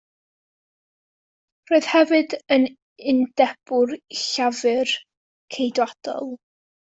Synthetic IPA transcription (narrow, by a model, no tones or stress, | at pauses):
roːɨð̥hɛvɨdən | ɪndɛb̥ʊrɬavɨr | kʰejdwad̥ɔ̰lˠ